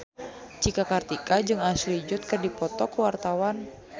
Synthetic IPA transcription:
d͡ʒikakart̪ikad͡ʒɨŋaslid͡ʒʊt̪̚kɨrdipɔt̪ɔkəwart̪awan

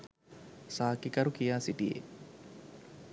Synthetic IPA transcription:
saːkikɐɾukijaːsiʈijḛ

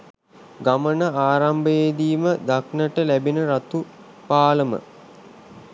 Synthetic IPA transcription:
ɡamənəaːɾambəed̪iːməd̪aknəʈəlæbinəɾat̪u | paːləmə̰

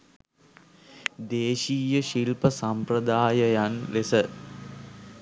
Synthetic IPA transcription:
d̪eːʃiːjəʃilpəsampɾəd̪aːjəjanlesə

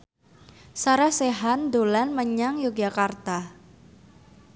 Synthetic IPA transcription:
saɾahseɦand̪olanməɲaŋjuk̚d͡ʒakart̪a

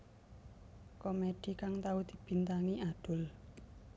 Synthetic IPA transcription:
komeɖ̪̥i̤kaŋt̪aud̪̥i̤b̥i̤nt̪aŋiad̪̥ʊ̤l

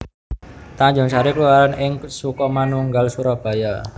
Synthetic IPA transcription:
t̪aɲd͡ʒɔŋt͡ʃaɾikəluaɾanɪŋsukɔmanuŋɡalsuɾab̥a̤ja

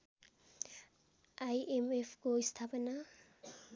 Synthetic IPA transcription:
ajemefʰkoist̪ʰapɐna

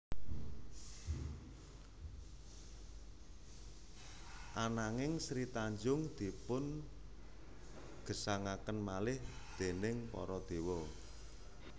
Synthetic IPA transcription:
ʔanaŋɪŋsɾit̪aɲd͡ʒʊŋd̪̥ipʊn | ɡ̥ə̤saŋakənmalɪhd̪̥e̤nɪŋpɔ̰ɾɔd̪̥e̤wɔ

